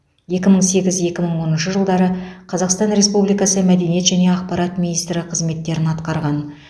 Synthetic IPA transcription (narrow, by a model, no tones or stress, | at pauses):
je̞kʲɪməɴse̞ɡʲɪzje̞kʲɪməɴwo̞nənʃəʒəlˠd̪ɑɾəqʰɑzɑqst̪ɑnɾe̞spublijkɑsəmæd̪e̞nije̞t̪ʒæne̞ɑqpɑɾɑt̪mʲinijst̪ɾɪqʰəzme̞t̪ːe̞ɾɪnɑt̪qɑɾʁɑn